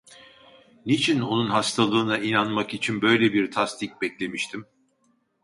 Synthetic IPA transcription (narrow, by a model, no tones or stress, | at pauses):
nit͡ʃʰino̞nunɦast̪ʰalˠɯːnainanmakit͡ʃʰinbø̞jlʲebiɾt̪ʰast̪ʰic̚bɛclʲe̞miʃt̪ʰim